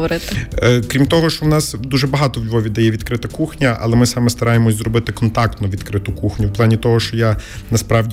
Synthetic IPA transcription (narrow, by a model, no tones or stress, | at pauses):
ɔɾɪt̪ɪkɾʲimt̪ɔɦɔʃt͡ʃɔwnɑsd̪uʒɛbɐɦɑt̪ɔwlʲʋɔʋʲid̪ɐjɛʋʲid̪kɾɪt̪ɐkuxnʲɐʔɐ̰lˠɛmɪsɑmɛst̪ɐɾɑjemɔsʲzɾrɔbɪt̪ɪkɔnt̪ɑk̚t̪nɔʋʲid̪kɾɪt̪ʊkuxnʲʊwplˠɑnʲit̪ɔɦɔʃt͡ʃɔjanɐspɾɑʋdʲ